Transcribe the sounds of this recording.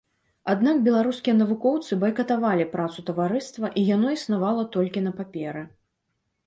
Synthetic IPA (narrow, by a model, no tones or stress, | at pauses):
ad̪nakbʲɛlˠaɾuskʲijɐnɐvukɔwt̪sɨbɐjkɐt̪avalʲipɾat̪sut̪ɐvaɾɨst̪vɐʔijanɔisnavalˠɐt̪ɔlʲkʲinɐpapʲɛɾɨ